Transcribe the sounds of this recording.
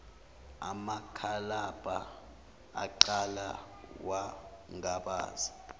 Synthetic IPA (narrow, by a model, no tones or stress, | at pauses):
a̰makʰalab̥ʱa | a̰ǃala̰ | waŋaɓa̰ːzi